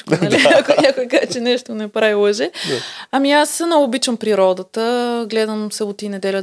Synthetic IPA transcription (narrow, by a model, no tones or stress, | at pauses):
knɐliɐkonʲakojkazt͡ʃɛnɛʃt̪onɛpɾavilˠəʒɛɐmiasənoɡʊːbit͡ʃəmpɾiɾɔd̪ət̪əɡlɛd̪əmsəbʊt̪inɛd̪ɛlʲə